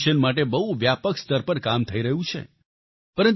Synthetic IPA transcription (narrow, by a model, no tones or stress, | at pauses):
ʃənmaʈ̬ebəɦuʋjapəkst̪əɾpəɾkamt̪ʰəiɾəɦũt͡ʃʰḛ | pəɾən